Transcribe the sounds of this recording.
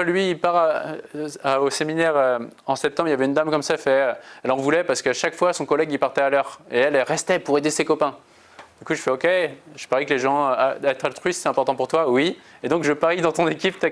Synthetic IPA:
lɥiːlpaʁa | aoseminɛʁøɑ̃sɛp̚t̪ɑ̃bʁiljavɛynd̪amkɔmsaɛfɛøɛlɑ̃vulɛpaʁsə̥kəaʃakfwasɔ̃kɔlɛɡipaʁt̪ɛalœʁeɛlɛlʁɛst̪ɛpuʁed̪esekɔpɛ̃ | d̪ykuʒəfɛokʲeʒə̥paʁikleʒɑ̃aɛt̪χalt̪χɥise̥t̪ɛɛ̃pɔʁt̪ɑ̃puʁt̪wawied̪ɔ̃kʒəpaʁid̪ɑ̃t̪ɔ̃nekʲipt̪a

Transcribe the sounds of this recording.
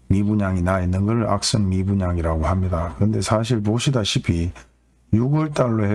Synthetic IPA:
mibuɲaŋinainːɯnɡʌɭa̰k̚s͈ɯŋmibuɲaŋiɾaɡohamɲidakɯɾɯnde̞sʰaɕ̬ʰiɭpoɕʰidaɕʰipʰi | juɡwʌɭt͈aɭːohe

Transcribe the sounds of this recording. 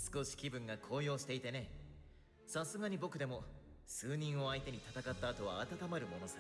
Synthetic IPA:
sɨ̥ko̞ɕi̥kʲibɯ̟̃ŋɡakʰo̞ːjo̞ːɕi̥t̪e̞it̪e̞ne̞ | sasɨɡaɲ̟ibo̞kɯ̟d̪e̞mo̞ | sɨːɲ̟ĩɰ̃o̞ait̪e̞ɲ̟it̪at̪akat̪ːaːt̪o̞β̞aːt̪at̪amaɾɯ̟mo̞no̞sa

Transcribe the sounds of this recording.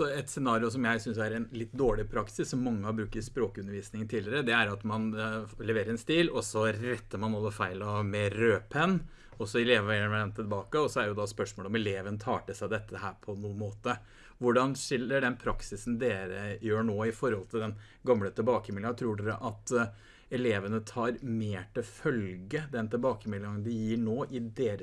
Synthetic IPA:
sɔɛt̪sɛnɑːɾɪʊs̬ɔmjæɪsʏnsæɾɛnlɪt̪ːd̪oːɭɪpʰɾɑksɪsːɔmːɑŋːəhɑɾbɾʉːk̚t̪ɪspɾoːkəʉnːəɾʋiːsnɪŋənt̪ʰiːlɪɾəd̪ɛæɾɑt̪mɑnlɛʋeːɾəɾɛnst̪iːlɔsɔɾɛt̪ːəmɑnɑlːəfæɪlɑʋmɛɾøːpʰən | ɔsɔɛleːʋʋæəæɖɛnt̪ʰɪlbɑːkəɔsɔæɖɛjʊd̪ɑspœʂmoːləɔmɛleːʋənt̪ʰɑːʈəsæɪd̪ɛt̪ːəhæːɾpʰɔnuːənmoːt̪ə | ʋʊɖɑnʂɪlːəɖɛnpʰɾɑksɪsn̩d̪eːɾəjøːɳoːɪfɔɾhɔlt̪ʰɪld̪ɛn | ɡɑmlət̪ʰɪlbɑːkəmɪləŋɑt̪ʰɾuːɖʉd̪ə̰ʔɑt̪ | ɛleːʋənət̪ʰɑːɾmeːʈɪlfœlɡəd̪ɛnt̪ʰɪlbɑːkəmɪlːɑŋənd̪ɪjiːɳoːʔɪd̪eːɾə

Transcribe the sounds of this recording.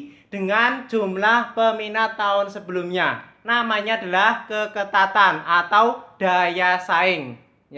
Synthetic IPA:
d̥əŋand͡ʒumlahpəminat̪ːaʊnsəbəlʊmɲanamaɲad̥a̤lahkəkət̪at̪anat̪awd̥a̤jasaɪŋ

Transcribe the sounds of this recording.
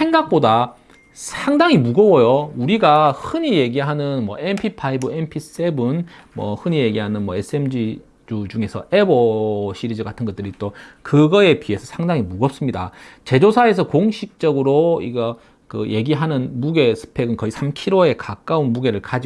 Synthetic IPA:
sʰe̞ŋɡak̚p͈oda | sʰaŋdaŋimuɡʌwʌjouɾiɡahɯɲije̞ɡiɦanɯnmʌ̰ʔenpʰipʰaibɯempʰis͈ebɯnmwʌhɯɲije̞ɡiɦanɯnmʌes͈ɯe̞md͡ʑi | d͡ʑud͡ʑuŋe̞sʰʌ̰e̞boɕʰiɾid͡ʑʌɡatʰɯnɡʌt͈̚ɯɾit͈okɯɡʌe̞pie̞sʰʌsʰaŋdaŋimuɡʌp̚s͈ɯmɲida̰t͡ɕe̞d͡ʑosʰae̞s̬ʰʌkoŋɕʰik̚t͡ɕ͈ʌɡɯɾoḭɡʌ | kɯ̰je̞ɡiɦanɯnmuɡe̞sʰɯ̥pʰe̞ɡɯnkʌisʰamkʰiɾoe̞kak͈aunmuɡe̞ɾɯɭkad͡ʑi

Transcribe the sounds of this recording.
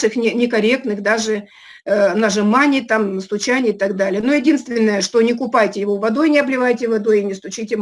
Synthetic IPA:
ʂɨxnʲɪnʲɪkɐɾʲe̞k̚t̪nɨxd̪aʐɨ | nɐʐɨmanʲɪt̪amst̪ʊt͡ɕanʲɪɪt̪ɐɡd̪alʲɪjənojɪdʲinst̪vʲɪnːəjəʂt̪o̞nʲɪk̬ʊpajtʲɪjɪvo̞vɐd̪o̞jnʲɪɐblʲɪvajtʲɪvɐd̪o̞jɪnʲɪst̪ʊt͡ɕitʲɪm

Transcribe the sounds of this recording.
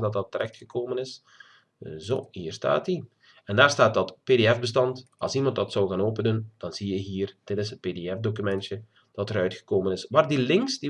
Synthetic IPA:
dɑt̚dɑtːəɾʔɛxtxəkoːmənɪs | zo̰ːhiːrsta̰ːti | ɛndaːrstaːt̚dɑtpeːdeːɛfbəstɑntɑ̰lˠsimɑntdɑtsɔwɣaːnoːpənənd̥ɑnz̥ijəɦiːrd̥ɪtɪsɦət̚peːdeɛfdokymɛntjə | d̥ɑtəɾœɥtxə̥koːmənɪsʋaːrdilɪŋksdi

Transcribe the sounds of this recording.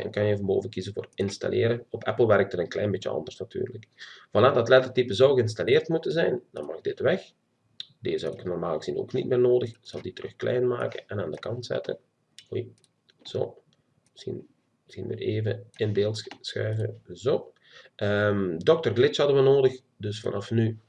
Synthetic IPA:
ɛ̰nkɑnjəvɑmbo̰ːvəkizənvoːrɪnsta̰lʔeːɾəɔpʰɛplˠʋɛrk̚tətənklɛjnbɪtjəɑ̰ndərsnaty̰ːrləkv̥ɑnaːtɑtlɛtətipəzɔwɣəɪns̬taleːrtmutənzɛjnd̥ɑ̰nmɑɣdɪtʋɛx | deːzɔ̰wɪknɔrmaːlˠɣəzino̰ːknit̚mɪːrnoːdəxz̥ɑlˠditərɵxklʔɛ̰jnma̰ːkə̰ʔɛnaːndəkɑntsɛ̰tʰə̰n | uj | z̥o̰ː | əsḭn | sinʋɪ̰reːvəɪndeːlˠsxœ̰ːvəzoː | ʔəmdɔk̚tərɡlɪt͡ʃhɑdəʋənoːdəx | dɵsfɑ̰nʔɑfny

